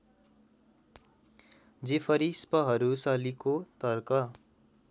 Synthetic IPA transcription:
d͡zepʰʌɾispʌɦʌɾusʌlikot̪ʌrkʌ

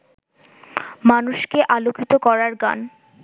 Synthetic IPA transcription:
manuʃkeʔalokʰit̪okɔɾaɾɡa̰n

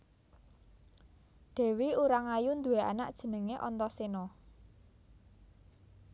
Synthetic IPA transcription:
ɖ̪̥ɛ̤wiuɾaŋajund̪ṳwea̰naʔd̥ʒ̥ə̤nəŋeʔɔnt̪ɔsenɔ

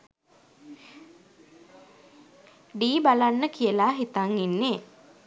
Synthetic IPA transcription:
ɖiːbalanːəkijəlaɦit̪aŋinːeː

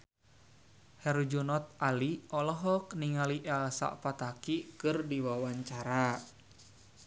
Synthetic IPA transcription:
hɛrd͡ʒunɔt̪̚aliɔlɔɦɔk̚niŋaliʔɛlsa̰ʔpat̪akikɨrdiwawaɲt͡ʃaɾa

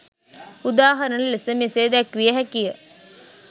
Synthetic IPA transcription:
ud̪aːɦɐɾənəlesəmeseːd̪ækʋijəɦækijə

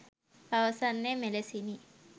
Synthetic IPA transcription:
bawasanːemelesini

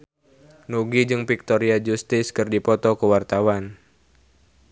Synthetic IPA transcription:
nuɡid͡ʒɨŋpik̚t̪ɔɾiad͡ʒust̪ɪskɨrdipɔt̪ɔkəwart̪awan

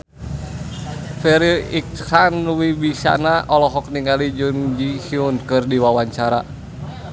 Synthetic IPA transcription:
fɛɾiik̚hanwibisa̰naʔɔlɔɦɔk̚niŋɡalid͡ʒund͡ʒihiunkɨrdiwawaɲt͡ʃaɾa

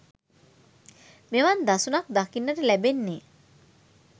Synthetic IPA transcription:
meʋand̪asunak̚d̪akinːəʈəlæbenːeː

